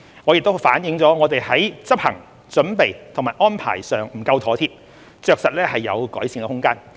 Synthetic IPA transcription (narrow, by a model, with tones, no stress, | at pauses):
ŋɔː˨˧jɪ˨k̚t̪o˥wfaː˨˥njɪ˨˧˥ŋt͡sɔː˨˥ŋɔː˨˧t̪e˨jhɐ˨˥jt͡sɐ˥p̚hɐ̰˨˩ŋ | t͡ʃɵ˨˥npe˨jt̪ʰʊ˨˩ŋmaː˨˩jʔɔː˥npʰa̰ː˨˩jsœː˨ŋm̩˨˩kɐ˧wt̪ʰɔː˨˥t̪ʰiː˧˥p̚ | t͡ʃœː˨k̚sɐ˨t̚lɛː˥hɐ˨jːɐ̰˨˧wkɔ̰ː˨˥jsiː˨˩ŋkɛ˧hʊ˥ŋkaː˥n